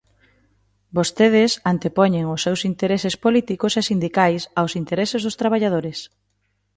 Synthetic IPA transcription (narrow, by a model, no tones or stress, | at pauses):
bost̪eð̞ɪsant̪epɔɲeŋʊsːewsint̪eɾesespolit̪ikʊsesind̪ikajsawsint̪eɾesezðʊst̪ɾaβ̞aʎaðoɾes